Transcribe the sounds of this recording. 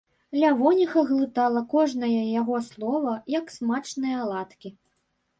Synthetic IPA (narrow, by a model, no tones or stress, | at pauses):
lʲavɔnʲixɐɣlˠɨt̪alˠɐkɔʐnɐjɐjaɣɔslˠɔvɐjɐksmat͡ʂnɨjɐlˠat̪kʲi